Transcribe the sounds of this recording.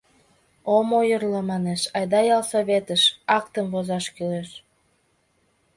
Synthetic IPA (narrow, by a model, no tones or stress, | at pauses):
omojərlomɑneʃɑjd̪ɑjɑlsoβet̪əʃɑkt̪əmvozɑʃkyleʃ